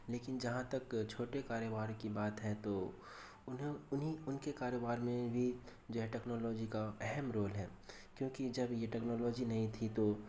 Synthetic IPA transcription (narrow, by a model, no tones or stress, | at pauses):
leːkɪnd͡ʒɐɦãt̪ɐkt͡ʃʰoːʈekaːɾjobaːɾkibaːt̪ɦɛt̪o | ʊnɦẽʊniʊnkekaːɾobaːɾmẽbʱi | d͡ʒoːɦɛʈɛːknɔːlɔːd͡ʒikaɛɦɛmɾoːlɦɛː | kjõːkid͡ʒɐbjeʈɛːknɔːlɔːd͡ʒinɐɦĩt̪ʰit̪o